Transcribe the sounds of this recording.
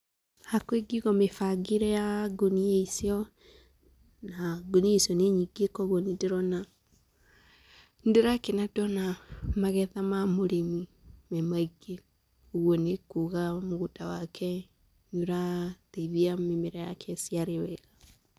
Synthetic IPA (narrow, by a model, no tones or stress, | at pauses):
akweɡiɣɔmefaɡeɾɛjaɡonieisiɔ | naɡonieisiɔneɲiɡekɔɣɔnedeɾɔna | ndeɾakenadɔnamaɣɛðamamoɾemi | mɛmaiɡe | oɣwɔnekuːɣamoɣutawakʰɛ | ɲuɾateðiamemeɾɛjakʰɛsiaɾewɛɣa